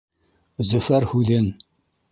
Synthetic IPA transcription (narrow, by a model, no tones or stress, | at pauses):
zɵ̆fæɾhʉðɘn